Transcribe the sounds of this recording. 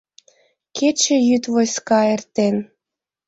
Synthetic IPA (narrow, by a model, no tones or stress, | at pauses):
ket͡ɕĕjyt̪vojskɑert̪en